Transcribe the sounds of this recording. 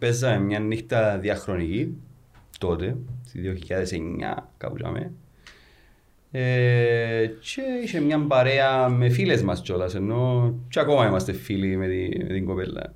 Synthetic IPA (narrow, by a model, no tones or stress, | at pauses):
pezːɐmemɲɐnːixt̪ɐðiɐxɾonici | t̪ot̪est̪iðjoçiʎːaðeseɲːa̰ka̰put͡ʃa̰mḛ | e | t͡ʃeiʃemɲɐmbɐɾeɐmefilezmɐst͡ʃolɐsenːot͡ʃːeɐkomaimɐst̪efːilimet̪imḛt̪iŋɡopelːɐ̰